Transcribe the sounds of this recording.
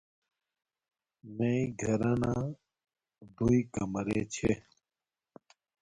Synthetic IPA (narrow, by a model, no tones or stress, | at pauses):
meiɡʱɐɾanaː | d̪uikɐmɾet͡ɕʰe